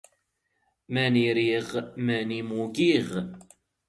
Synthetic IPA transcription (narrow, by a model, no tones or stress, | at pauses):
mæniɾiʁmænimuɡiʁ